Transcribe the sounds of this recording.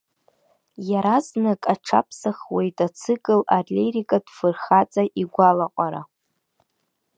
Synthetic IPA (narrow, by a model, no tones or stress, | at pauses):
jaɾaznakʼaʈ͡ʂʰa̰pʰsaχwejtʼat͡sʰɨkʼɨlarlʲeɾikʼadfɨrχat͡sʼaʔiɡʷalaqʷʼaɾa̰